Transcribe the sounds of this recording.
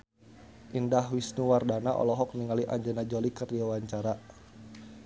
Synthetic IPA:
ʔindahwisnuwardanaʔɔ̰lɔɦɔk̚niŋaliʔaɲd͡ʒənad͡ʒɔlikərdiawaɲt͡ʃaɾa

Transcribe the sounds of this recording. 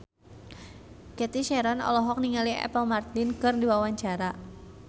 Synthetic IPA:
kɛt̪iʃɛɾɔnɔ̰lɔɦɔk̚niŋaliɛ̰pəlmart̪lɪnkɨrdiwawaɲt͡ʃaɾa

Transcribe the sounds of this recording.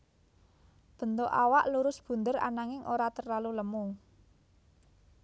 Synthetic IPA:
b̥ə̤nt̪oʔawaʔluɾʊsb̥ṳnd̪əɾa̰naŋɪŋʔoɾat̪ərlaluləmu

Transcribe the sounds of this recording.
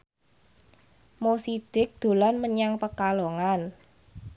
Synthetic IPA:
mosid̪̥ɪ̤k̚d̪̥o̤lanməɲaŋpəkaloŋan

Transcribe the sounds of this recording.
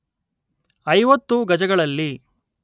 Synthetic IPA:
ɐjʋɐt̪ːuɡɐd͡ʒɐɡɐɭɐlːi

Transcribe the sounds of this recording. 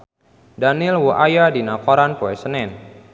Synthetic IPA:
danɪlwuʔajadinakɔɾanpoɛsənɛn

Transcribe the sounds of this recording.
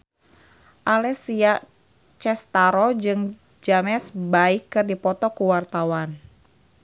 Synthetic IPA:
ʔalɛsia | t͡ʃɛst̪aɾɔd͡ʒɨŋ | d͡ʒamɛsbaikːɨrdipɔt̪ɔkuwart̪awan

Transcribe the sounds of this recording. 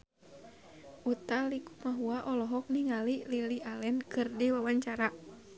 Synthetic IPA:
ʔut̪aliku̥maɦuaʔɔlɔɦɔk̚niŋalililialɛnkɨrdiwawaɲt͡ʃaɾa

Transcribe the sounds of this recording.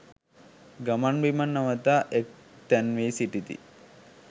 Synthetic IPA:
ɡamanbimanːaʋət̪aːʔek̚t̪ænʋeːsiʈit̪ḭ

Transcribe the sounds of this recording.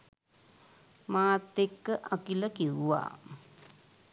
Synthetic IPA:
maːt̪ːekːəʔakiləkiwuʋa̰ː

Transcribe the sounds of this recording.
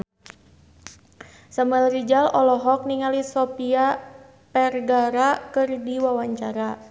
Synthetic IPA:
saməlɾid͡ʒalɔlɔɦɔk̚niŋalisɔpia | pɛrɡaɾakɨrdiwawaɲt͡ʃaɾa

